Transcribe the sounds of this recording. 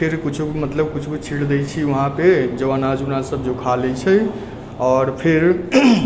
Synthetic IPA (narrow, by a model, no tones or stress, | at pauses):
pʰeɾkut͡ʃʰumət̪ləb̚kut͡ʃʰukut͡ʃʰiɽd̪ɛt͡ʃʰiʋəɦãped͡ʒəʋanad͡ʒunasəbd͡ʒokʰalɛt͡ʃʰɛ | ɔːɾpʰeɾ